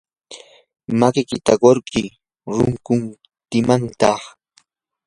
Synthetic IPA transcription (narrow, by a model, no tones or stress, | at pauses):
makɪkɪt̪a̰ɢoɾɢɪ | ɾʊŋkʊn | t̪ɪmant̪ɑχ